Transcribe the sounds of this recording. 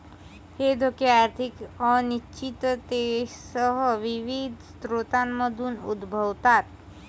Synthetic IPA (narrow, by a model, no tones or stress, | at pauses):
heːd̪ʱokeaːɾt̪ʰikɔniʃt͡ʃit̪t̪eʃsəɦʋiʋid̪ʱst̪ɾoːt̪aːnməd̪ʱunṵd̪bʱəwt̪aːt̪̚